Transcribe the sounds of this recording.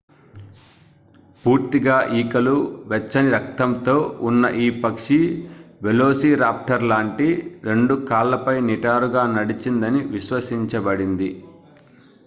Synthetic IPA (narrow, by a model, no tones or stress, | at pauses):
puːɾt̪iɡaːʔiːkɐluʋɛt͡ʃːɐniɾɐk̚t̪ɐmt̪o̞ːʔunːɐ̰ʔiːpɐkʂiʋelo̞ːsiːɾaːp̚ʈɐɾlaːɳʈiɾe̞ɳɖukaːlːɐpɐjniʈaːɾuɡaːnɐɽit͡ʃind̪ɐniʋiʃʋɐsiɲt͡ʃɐbɐɽind̪i